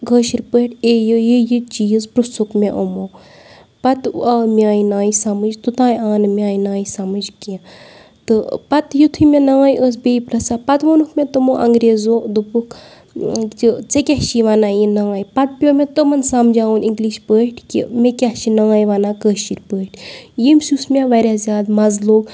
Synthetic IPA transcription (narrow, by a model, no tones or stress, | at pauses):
kəːʃiɾpəːʈejəjijit͡ʃiːzpɾusukmeʔomoː | pɐt̪amʲjãːjinaːisamɨd͡ʒt̪ut̪ãːjaːnɨmʲjãːinaːjisamɨd͡ʒkẽ | t̪ɨpɐt̪jut̪ʰɨmʲẽnaːjʔəs̬beːipɾɐsaːpɐt̪ʋonukmẽt̪umoːʔɐ̰ŋɡɾeːzod̪upuk | ɨt͡sekʲahʃiʋanaːjinaːjpɐt̪̚pjoːmʲẽt̪omɐnsɐmd͡ʒaːuniŋɡliːʃpəːʈʰkḭmekʲahʃinãːiʋanãːkəːʃiɾʲpəːʈʰjimsusmʲaʋɐɾʲaːzʲjaːd̪mɐzloːɡ